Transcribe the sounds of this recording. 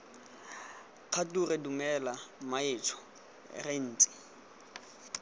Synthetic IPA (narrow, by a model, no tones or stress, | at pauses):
q͡χʰaturɪdumɛlamaeːt͡ʃʰɔ̥̰ | ren̩ːt͡sʼɪ̥